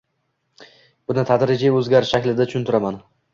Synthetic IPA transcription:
b̥ʊnɪt̪ʰad̪ɾɪd͡ʒaɵzɡʲaɾɪʃːakʲlɪd̪at͡ʃʊʊnt̪ʰʊɾaman

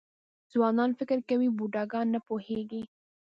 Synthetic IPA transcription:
z̥wɑnɑnfɪkɪɾkawibuɖɑɡɑnːapoheɡi

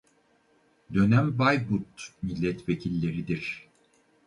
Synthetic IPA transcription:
d̪ø̞næmbajbut̪milʲːɛt̪vecʰilʲːe̞ɾid̪iɾ̥

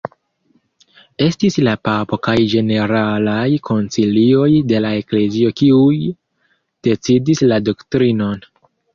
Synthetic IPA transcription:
e̞stislapapo̞kajd͡ʒe̞ne̞ɾalajkʰo̞nt͡silio̞jde̞lae̞kle̞zio̞kiuj | d̥e̞t͡sidislado̞ktɾino̞n

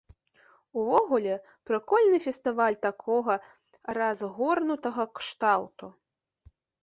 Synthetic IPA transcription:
uvɔɣulʲɛ | pɾɨkɔlʲnɨfʲɛst̪ɨvalʲt̪akʰɔɣɐ | ɾazɣɔrnut̪ɐɣɐkʂt̪alˠt̪u

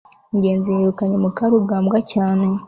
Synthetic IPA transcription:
ɲɟe̞ːnzieɾukanemukaɾuɡaːmbɡacaːne

